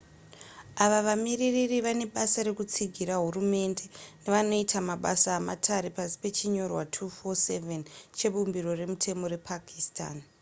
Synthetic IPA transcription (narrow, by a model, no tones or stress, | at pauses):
aʋaʋamiriririʋane̞ɓasaɾe̞kut͡siɡʱiraɦurume̞nde̞ne̞ʋano̞itʰamaɓa̰saːma̰tʰaɾepasi̥pe̞t͡ʃiɲo̞rwatʰufo̞se̞ve̞nt͡ʃe̞ɓumbiro̞re̞mutʰe̞mo̞ɾe̞pʰakʰista̰ːn